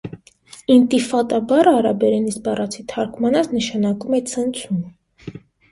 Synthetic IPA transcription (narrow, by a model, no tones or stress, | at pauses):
int̪ifɑt̪ɑbɑrəɑɾɑbɛɾɛnisbɑrɑt͡sʰit̪ʰɑɾkʰmɑnɑt͡snəʃɑnɑkumɛt͡sʰənt͡sʰum